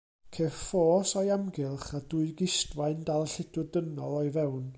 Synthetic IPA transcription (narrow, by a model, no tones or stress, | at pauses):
kʰefoːsɔjamɡɪlˠχadʊɨɡɪstwaɨndalˠɬɪd̥ʊdənɔlˠɔɨvɛwn